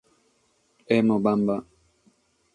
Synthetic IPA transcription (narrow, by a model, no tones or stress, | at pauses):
ɛmɔɓamba